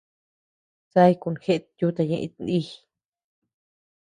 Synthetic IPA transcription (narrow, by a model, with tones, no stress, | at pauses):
t͡sa˦jku˧˨nxe˦˧t̪ju˦t̪a˧ɲḛ̃˧ʔḭ˧t̪nd̪i˦